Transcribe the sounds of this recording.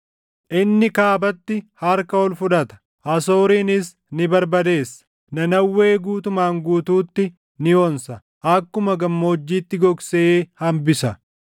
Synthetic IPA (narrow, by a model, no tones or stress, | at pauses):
ʔɪnːɪkaːbɐt̪ːɪhɐɾkɐɔlfʊᶑ̪ɐt̪ɐ̥ | ʔɐso̞ːɾiːnɪs | nɪbɐɾbɐd̪e̞ːsːɐ̥ | nɐnɐwːe̞ːɡuːt̪ʊmaːŋɡuːt̪uːt̪ːɪ | nɪonsɐ | ʔɐkːʊmɐɡɐmːo̞ːd͡ʒːiːt̪ːɪɡɔɡseːhɐmbɪsɐ